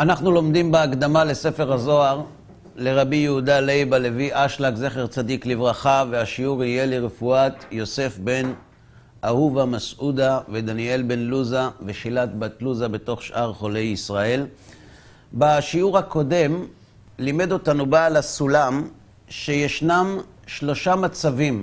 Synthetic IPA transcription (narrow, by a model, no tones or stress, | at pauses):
ʔanaχnulo̞md̪imbeakd̪amale̞se̞fe̞ʁazo̞aʁ | le̞ʁabijehudalejbale̞viʔaʃlakze̞χeʁt͡sad̪iklivʁaχaveaʃiuʁije̞liʁefuatjo̞se̞fbe̞n | ʔahuvamasʔud̪aved̪anie̞lbe̞nluzaveʃilat̪batluzabe̞to̞χʃʔaʁχo̞le̞jisʁae̞l | baʃiuʁhako̞de̞m | lime̞do̞tanubaːlasulam | ʃe̞jeʃnam | ʃlo̞ʃamat͡savim